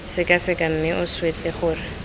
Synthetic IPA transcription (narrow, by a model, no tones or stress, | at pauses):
sɪkʼasɪkʼam̩mɪʔʊswet͡sʼeχʊːrɪ